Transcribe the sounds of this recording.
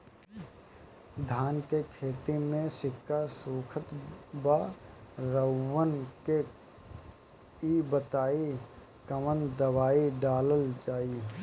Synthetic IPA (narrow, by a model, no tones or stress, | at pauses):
d̪ʱaːnkekʰeːt̪imẽsɪkːasuːkʰət̪ba | ɾəwːənke | ibət̪aːi | kəmənd̪əwaːiɖaːləld͡ʒaːi